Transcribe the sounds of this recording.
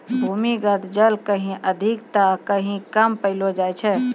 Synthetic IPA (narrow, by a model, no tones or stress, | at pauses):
bʱuːmiɡət̪d͡ʒəlkəɦĩʔəd̪ʱikt̪akəɦĩkəmpəɪlod͡ʒaːjt͡ʃʰɛ